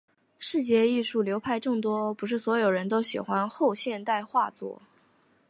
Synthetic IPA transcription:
ʂɻ̩˥˧t͡ɕjɛ˥˧i˥˧ʂu˥˩ljo˧˥ʊpʰa˥˧ɪʈ͡ʂɤ˥˩ŋt̪wɔ˥pu˧˥ʂ̬ɻ̩˥˩swɔ˧˥jo˨˩ʊɻə˧˥nt̪̬o˥ʊɕḭ˨˩xwa˥nxo˥˧ʊɕjɛ˥˧nt̪a˥˧ɪxwa˥˧t͡swɔ̰˥˩

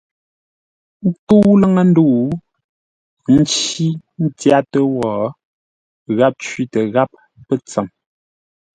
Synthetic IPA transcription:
tu˦lə˦ŋə˨n̩˦du˦˨ʔ | n̩˦t͡ʃi˦n̩˦tja˦tə˦wɔː˨ | ɣa˦p̚t͡ʃɥi˦tə˨ɣa˦p̚ː | ə˦t͡sə˨m

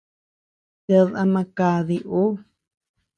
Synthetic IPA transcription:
ta˧ða˧mã˧ka˧ði˧ʔo˦

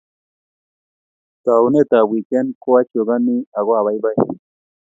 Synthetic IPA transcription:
t̪a˨u˦ne˦t̪a˨wi˨ke˦nko˦wa˦t͡ʃo˨ɡa˦ni˦a˨ɣo˦a˨βa˨˦jba˦j

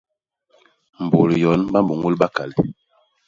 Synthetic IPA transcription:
m̩˨bo˨ljɔ˨˦nba˦mmbu˨ŋɡu˦lɓa˦ka˨li˨

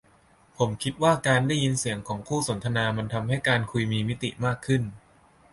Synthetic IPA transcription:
pʰo˩˦mkʰi˦˥t̪̚waː˥˩kaː˧ndaː˥˩ji˧nsi˨˩˦əŋkʰɔː˩˦ŋkʰuː˥˩so˩˦nt̪ʰa˧naː˧ma˧nt̪ʰa˧mha˥˩jkaː˧nkʰu˧jmiː˧mi˦˥t̪ḭ˨˩maː˥˩kʰːɯ˥˩n

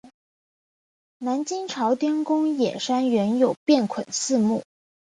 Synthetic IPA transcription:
na˧˥nt͡ɕi˥ŋʈ͡ʂʰɑ˧˥ʊt̪jɛ˥nkʊ˥ŋjɛ˨˩ʂa˥nɥɛ˧˥njo˨˩ʊpjɛ˥˩nkʰwə˨˩nsɹ̩˥˧mu˥˩

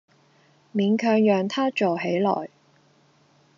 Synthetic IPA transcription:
miː˨˧nkʰœː˧ŋjœː˨ŋt̪ʰaː˥t͡ʃo˨wɦe˨˥jlɔ̰ː˨˩j

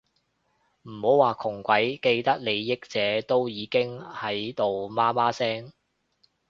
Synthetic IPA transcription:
m̩˨˩ho˨˥waː˨kʰʊ˨˩ŋkʷɐ˨˥jke˧jt̪ɐ˥k̚ne˨˧jːɪ˥k̚t͡sɛː˨˥t̪o˥wjiː˨˧kɪ˥ŋhɐ˨˥jt̪o˨˧wmaː˥maː˥sɛː˥ŋ

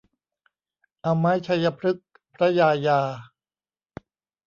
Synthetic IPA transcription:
ʔa˧maː˦˥jt͡ɕʰa˧jːa˧pʰɾɯ˦˥k̚ | pʰɾa˦˥jaː˧jaː˧

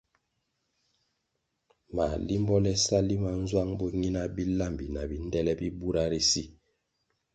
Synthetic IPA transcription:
ma˨li˦m˦bɔ˦lɛ˦sa˦li˦ma˨n̩˦zwa˦ŋbɔ˦ɲi˦na˦bi˦la˦˨mbi˨na˨bi˨n˦dɛ˦lɛ˦bi˦bu˦ɾa˦ɾi˦si˦

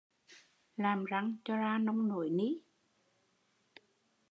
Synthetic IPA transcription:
laː˨˩mza˨˩ŋt͡ɕɔ˧zaː˧nə˧wŋ͡mno̰˧˨˦jni˧˥

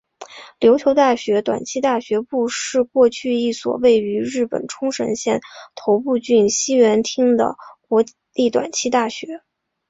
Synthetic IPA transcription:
ljo˧˥ʊt͡ɕʰjo˧˥ʊt̪a˥˩ɕɥɛ˧˥t̪wa̰˨˩nt͡ɕʰi˥t̪a˥˩ɕɥɛ˧˥pu˥˧ʂɻ̩˥˧kwɔ˥˧t͡ɕʰy˥˧i˥˩swɔ̰˨˩we˥˩ɪy˧˥ɻɻ̩˥˩pə̰˨˩nʈ͡ʂʰʊ˥ŋʂə̰˧˥nɕjɛ˥˩nt̪ʰo˧˥ʊpu˥˧t͡ɕy˥˩nɕi˥ɥɛ˧˥nt̪ʰi˥ŋd̪ə̰˨kwɔ˧˥ | i˥˩t̪wa̰˨˩nt͡ɕʰi˥t̪a˥˩ɕɥɛ˧˥

